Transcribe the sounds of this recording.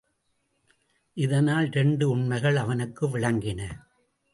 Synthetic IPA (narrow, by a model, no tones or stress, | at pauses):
ʔɪðɐnaːlɾɛɳɖɯʊɳmɐɪɣɐɭɐʋɐnɯkːɯʋɪɻɐŋɡɪnɐ